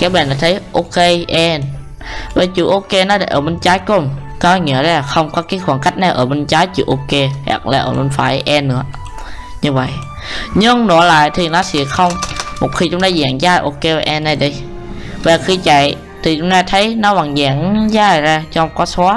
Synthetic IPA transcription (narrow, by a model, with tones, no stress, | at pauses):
kaː˨˦jɓɛː˧˩nlaː˨˩˦t̪ʰə˨˦jʔo˧ke˧ʔɛ˧n | vaː˨˩t͡ɕṵ˧˩ʔo˧ke˧nɔ˨˦ɗe˧˩ʔəː˧˩ɓe˧˩nt͡ɕaː˨˦jko˧˩m | kɔː˨˧˦ŋḭ˨˧˩əza˧˩la˨˩xə˧wŋ͡mkɔ˨˦kaː˨˦jxwaː˧˩ŋka˦˥jk̚na˧˩jʔəː˧˩ɓe˧nt͡ɕaː˨˦˥jt͡ɕḭ˧˩˦ʔo˧ke˧hɛ̰˧˩kla̰ː˧˩ʔəː˧˩me˧˩nfaː˨˦jʔɛ˧nːɨ̰˧˦ə | ɲɨ˧və̰˧˨j | ɲɨ˧ŋnɔ˧˩˦la̰ː˨jt̪ʰi˨˩nɔ˨˦sḭ˧˦əxə˧wŋ͡mmo˨˩t̚xi˧t͡ɕʊ˨˦ŋ͡mt̪aː˧zɛː˨˩˦ŋzaː˧jʔo˧ke˧va˨ʔɛ˧nːa˧˩jɗi˧j | vaː˨˩xi˧t͡ɕa˨˦j | t̪ʰi˨˩t͡ɕʊ˨˧˦ŋ͡mt̪aː˧t̪ʰə˨˦jnɔ˨˦va˨˩ŋzɛː˧˨˩ŋzaː˧˩jzaː˧˩t͡ɕɔ˧wŋ͡mkɔ˨˦sɔ˨˦